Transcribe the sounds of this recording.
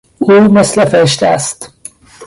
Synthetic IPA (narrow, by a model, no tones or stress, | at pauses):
uːmeslefeɾeʃ̬t̪eæst̪